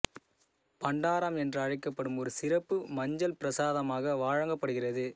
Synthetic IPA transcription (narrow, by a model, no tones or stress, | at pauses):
pɐɳɖaːɾɐmɛndrɯɐɻɐɪkːɐpːɐɽɯmɔɾɯsɪrɐpːɯmɐɲd͡ʒɐlpɪɾɐsaːðɐmaːɣɐʋaːɻɐŋɡɐpːɐɽɯɣɪrɐðɯ